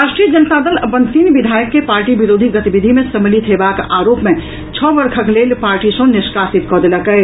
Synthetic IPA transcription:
aʃʈɾijəd͡ʒənt̪ad̪ələbənt̪inbid̪ʱaːjəkːepaɾʈibiɾoːd̪ʱiɡət̪ibid̪ʱimẽsəmlit̪ʰɦebakaːɾopmẽ | t͡ʃʰɔbəɾkʰəklelpaːɾʈisə̃nɪskasit̪kɔd̪eləkɛɪ

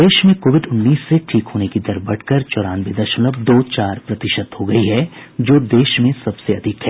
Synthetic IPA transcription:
d̪eːʃmẽkoːʋɪɖʊnːiːsːeʈʰiːkɦoːnekid̪ɐɾbɐɽkəɾt͡ʃɔːɾaːnʋɪd̪əɾʃənləbd̪oːt͡ʃaːɾpɾɐt̪ɪʃəd̪ɦoɡɐiɦɛd͡ʒoːd̪eːʃmẽsɐbseɐd̪ʱɪkɦɛː

